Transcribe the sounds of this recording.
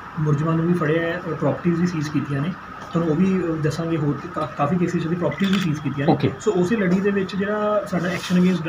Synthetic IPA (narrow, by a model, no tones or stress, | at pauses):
mʊɾd͡ʒmãːnũːʋiːpʰəɽeaɛːpɾɔːpəɾʈiːzʋiːsiːzkiːt̪ijãːneː | t̪ʰʊnũːoːʋiːd̪əsãːŋɡeːɦoːɾekakaːfiːkeːseːssiːpɾɔːpəɾʈiːzʋiːsiːzkiːt̪ijãːnoeːkḛsoːʊseːləɽiːd̪eːʋɪt͡ʃd͡ʒeːɽaːsaːɖaːɛːkʃənəɡẽːs